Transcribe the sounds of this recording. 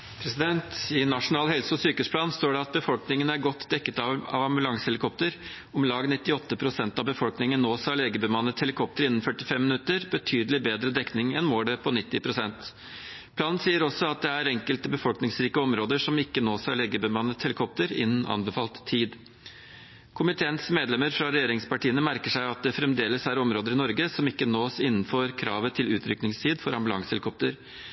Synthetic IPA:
pʰɾɛsɪd̪ɛnt̪ɪnɑʂʊnɑːlhɛlsəɔsyːkəspʰlɑːnst̪oːɖɛɑt̪̚bəfɔlknɪŋənəæɾɡɔt̪ːd̪ɛkːət̪ɑʋɑ̰ʋɑmbʉlɑŋsəhɛlɪkʰɔp̚t̪əɾ | ʊmlɑːɡnɪt̪ːɪɔt̪ːəpʰɾʊsɛnt̪ɑbəfɔlknɪŋənːoːsɑɭeːɡəbəmɑnːət̪hɛlɪkʰɔp̚t̪əɾɪnːn̩fœʈɪfɛmːɪnʉt̪əɾbət̪ʰyːd̪əlɪbeːd̪ɾəd̪ɛknɪŋɛnmoːɖɛpʰɔnɪt̪ːɪpʰɾʊsɛnt̪ | pʰlɑːnnsiːəɾɔsɔɑt̪̚d̪ɛæɾɛŋkəlt̪əbəfɔlknɪŋsɾiːkəɔmɾoːd̪əʂɔmɪkːənoːsɑɭeːɡəbəmɑnːət̪hɛləkʰɔp̚t̪əɾɪ̰nːn̩ʔɑ̰nbəfɑːlt̪ʰːiːd̪ | kʰʊmɪt̪ʰeːnsmeːd̪lɛməɾfɾɑɾɛjeːɾɪŋspɑʈiːənəmæɾkəʂæɪɑt̪̚d̪ɛfɾɛmd̪eːləsæɾɔmɾoːd̪əɾɪnɔɾɡəsɔmɪkːənoːsɪnːn̩føːɾkʰɾɑ̰ːʋət̪ʰɪlʉːt̪ʰɾʏknɪŋst̪ʰiːd̪fɔɾɑmbʉlɑ̰ŋshɛlɪkʰɔp̚t̪əɾ

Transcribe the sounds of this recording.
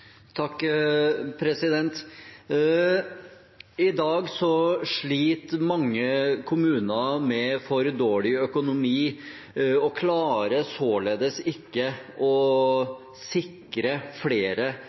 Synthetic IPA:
t̪ʰɑkː | pʰɾɛsɪd̪ɛnt̪ | ɪd̪ɑːɡsɔʂɭiːt̪mɑŋːəkʰʊmʉːnɑmɛfɔɾɛd̪oːɭɪœkʊnʊmiː | ɔkʰlɑːɾəsoːleːd̪əsɪkːəɔ | sɪkɾəfleːɾə

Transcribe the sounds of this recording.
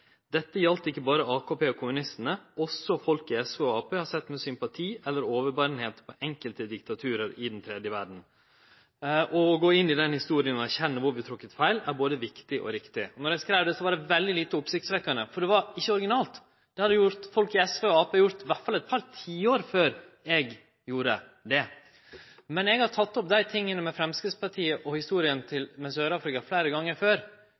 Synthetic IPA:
d̪ɛt̪ːəjɑlt̪əɪkːəbɑːɾəɑːkʰoːpeːɔkʰʊmʉnɪst̪ənəɔsːɔfɔlkɪɛsʋeːɔɑːpʰeːhɑɾsɛt̪ːmɛsʏmpɑt̪ʰiːɛlːəɾoːʋəɾbɑɾnheːt̪pʰɔʔɛŋkəlt̪əd̪ɪk̚t̪ɑt̪ʰʉːɾəɾɪd̪nt̪ʰɾɛːd̪jəʋæɖn̩ | ʔɔɡoːɪnːɪd̪ɛnhɪst̪uːɾɪənɔæɾçɛnːəʋʊɾʋɪt̪ʰɾʊkːət̪fæɪlæɾboːd̪əʋɪkt̪ɪʔɔ̰ɾɪkt̪ɪɔnɔɾjæskɾæɪʋd̪ɛsɔʋɑɾɖɛʋɛld̪ɪliːt̪əʊpsɪkt̪sʋɛkːɑɳəfɔɖɛʋɑɾɪçːəɔɾɪɡɪnɑːlt̪ | d̪̥ɛhɑd̪ɛjʊɾt̪fɔlkɪɛsʋeːɔɑːpʰeːjʊɾt̪ʋæʈfɑlɛt̪̚pʰɑɾt̪ʰiːoːɾføːɾ | ɛɡ | juːɾəd̪ɛ | mɛnɛɡhɑt̪ʰɑt̪ːɔp̚d̪æɪt̪ʰɪŋːənəmɛfɾɛmskɾɪt̪spɑʈʰiːəʔɔhɪst̪uːɾɪənt̪ʰɪlmɛsøːɾɑːfɾɪkɑflæɪɾəɡɑŋːəɾføːɾ

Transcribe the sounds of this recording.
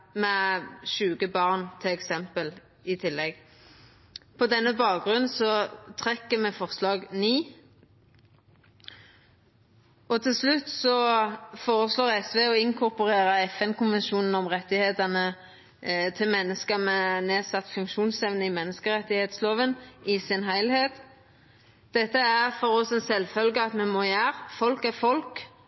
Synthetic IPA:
mɛʃʉːɡəbɑʁnt̪ʰɪlɛksɛmpəl | ɪt̪ʰɪlːɛɡ | pʰɔd̪ɛnːəbɑːk̚ɡʁʉnsɔt̪ʰʁɛkːəmɛfɔʁslɑːɡniː | ɔt̪ʰɪlslʉt̪ːsɔfoːʁəsloːʁɛsʋeːɔɪŋkʰʊʁpʊʁeːʁəɛfɛnkʊnʋɛnʃuːnn̩ɔmʁɛt̪ːɪheːt̪ənə | t̪ʰɪlmɛnːəskəmɛneːsɑt̪ːfʉŋkʃuːnsɛʋnəɪmɛnːəskəʁɛt̪ːɪheːt̪sloːʋənɪsɪnhæɪlheːt̪ | d̪̥ɛt̪ːəæʁfɔʁɔsɛnsɛlfœlɡəɑt̪mɛmɔːjæːʁfɔlkæʁfɔlk

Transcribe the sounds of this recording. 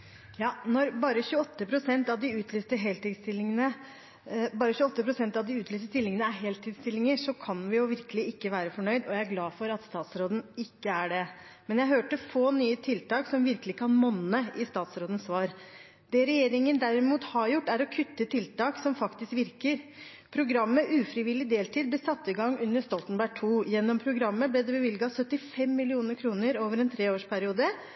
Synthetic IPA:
jɑːnɔɾbɑːɾəçʉːɔt̪ːəpʰɾʊsɛnt̪ɑʋd̪ɪʉːt̪ʰlyːst̪əɦɛlt̪ɪst̪ɪlːɪŋənə | bɑːɾəçʉːɔt̪ːəpʰɾʊsɛnt̪ɑʋd̪ɪʉːt̪lyːst̪əst̪ɪlːɪŋənəæɾɦeːlt̪ʰɪːst̪ɪlːɪŋəʂɔkʰɑnʋɪjʊʋɪɾkəlɪɪkːəʋæːɾəfɔɳœʏd̪ɔjæɪæɾɡlɑːfɔɾɑt̪st̪ɑːt̪sɾoːd̪n̩ɪkːəæɖɛmɛnjæɪɦøːʈəfoːnyːət̪ʰɪlt̪ɑːksɔmʋɪɾkəlɪkʰɑnmɔnːəɪst̪ɑːt̪sɾoːd̪n̩sʋɑːɾ | d̪̥ɛɾɛjeːɾɪŋənd̪æɾɪmuːt̪hɑɾjʊʈːæɾɔkʰʉt̪ːət̪ʰɪlt̪ɑːksɔmfɑkt̪ɪskʋɪɾkəɾ | pʰɾʊɡɾɑmːəʔʉːfɾɪʋɪlːɪd̪eːlt̪ʰiːd̪̚blɛsɑt̪ːɪɡɑŋːʉnːəʂt̪ɔlt̪ənbæʈʰuːjɛnːɔmpʰɾʊɡɾɑmːəblɛd̪ɛbəʋɪlɡɑsœt̪ːɪfɛmːɪlɪuːnəɾkʰɾuːnəɾoːʋəɾɛnt̪ʰɾeːoːʂpʰæɾɪuːd̪ə

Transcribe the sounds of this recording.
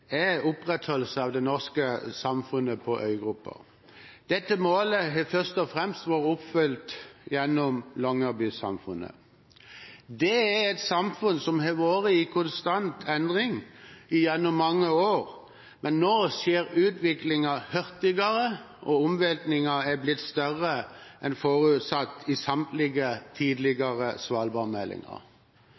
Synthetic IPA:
ɛʊpʁɛt̪hɔlsəɑʋd̪ɛnɔʁskəsɑmfʉnːəpʰɔʔœ̰ʏɡʁʉpːə̰ | d̪̥ɛt̪ːəmoːləɦɛfœʁst̪ɔfʁɛmst̪ʋoːʁəʊpfʏlt̪jɛnːɔmlɔŋɑbysɑ̰mfʉ̰nːə̰ | d̪ɛæɛt̪sɑmfʉnsɔmhɛʋoːʁəɪkʰʊnst̪ɑnt̪ʰɛnd̪ʁɪŋɪjɛnːɔmːɑŋːəoːɾ | mʔɛnːoːsjeːɾʉːt̪ʋɪklɪŋɑhœɾt̪ɪɡɑɾə | ʔɔʊmʋɛlt̪nɪŋɑɛblɪt̪ːst̪œʁəʔɛnfoːʁʉːt̪sɑt̪ːɪsɑmt̪lɪɡət̪ʰiːd̪lɪɡɑʁəsʋɑːlbɑːʁmɛlːɪ̰ŋɑ̰ʁ

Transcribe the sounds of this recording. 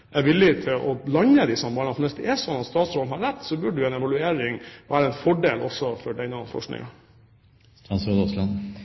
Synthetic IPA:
ʔæʋɪlːɪt̪ʰɪlʔɔlɑɲəd̪ɪsɔmbɑːɳɑfɔnʋɛsd̪ɛʔɛsɔnɑt̪st̪ɑːt̪sɾɔlhɑɾæt̪ːsɔbʉɖʉɛnɛʋɑlʉeːɾɪŋʋæːɾəɛnfɔɖeːlʔɔ̰sːɔfɔɖɛɪnɑfɔ̰ʂknɪ̰ŋɑ | st̪ɛnsɾod̪ɔslɑn

